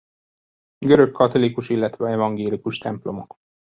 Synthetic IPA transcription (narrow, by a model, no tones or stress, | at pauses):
ɡøɾø̞kʰːɒt̪o̞likuʃilːɛt̪ʋɛɛvɒŋɡeːlikuʃt̪ɛmplo̞mo̞k